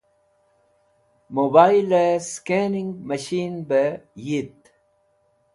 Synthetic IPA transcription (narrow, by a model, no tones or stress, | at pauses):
mobaːileskeniŋɡmɐɕiːnbəjit̪